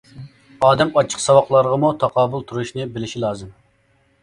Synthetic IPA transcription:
ɑːd̪ɛmɑt͡ʃʰːə̥qsɑwɑχlˠɑɾʁəmut̪ʰɑqʰɑːbulˠt̪ʰuɾuʃnɨbɪlɪʃilˠɑːzɨm

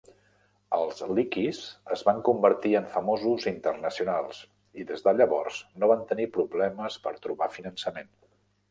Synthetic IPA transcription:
ə̰lˠzlikizəzβaŋkumbəɾt̪iəɱfəmozuzint̪ərnəsiunalˠs | iðezðəʎəβɔrz̥noβant̪ənipɾuβlɛməspəɾt̪ɾuβafinənsəmen

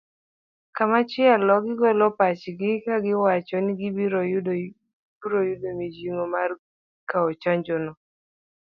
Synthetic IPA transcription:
kamat͡ʃɪalɔɡɪɡɔlɔpat͡ʃɡɪkaɡɪwat͡ʃɔnɪɡɪbiɾd | uɾojudomid͡ʒiŋomar | kaɔt͡ʃaɲd͡ʒɔnɔ

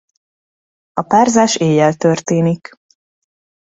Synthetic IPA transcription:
ɒpaːrzaːʃeːjɛlt̪ørt̪eːnik

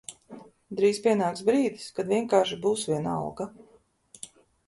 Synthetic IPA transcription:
d̪ɾiːzpʲiɛnaːk̪sbɾiːd̪iskad̪vʲiɛŋkaːɾʃibuːsvʲiɛna̰wɡa

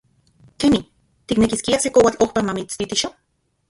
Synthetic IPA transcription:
kemi | t̪iknekiskiasekowat͡ɬohpamamit͡st̪it̪iʃo

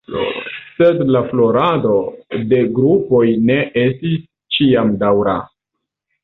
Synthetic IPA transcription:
se̞dlaflo̞ɾado̞de̞ɡɾupo̞jne̞ʔestis | t͡ʃiamdawɾa̰

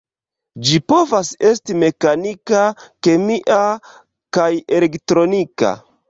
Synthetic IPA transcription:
d͡ʒipo̞vase̞stime̞kanikake̞miʔa | kajelektɾo̞nika̰

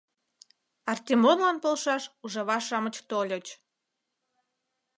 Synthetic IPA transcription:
ɑrt̪ʲemonlɑnpolʃɑʃuʒɑβɑʃɑmə̆t͡ɕt̪olʲət͡ɕ

